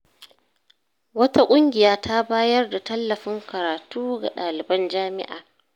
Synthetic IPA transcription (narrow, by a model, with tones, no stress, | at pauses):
wɐ˦ta˦kʷʼʊ˦ŋɡʲɪ˨jaː˨tʰa˦baː˦jɐ˦rda˨tɐ˦lːɐ˨ɸɪ˦ŋkɐ˨ɾaː˨tuː˦ɡa̰˨ɗaː˨lɪ˨bɐ˦nd͡ʒaː˦mɪ˦ʔa̰ː˨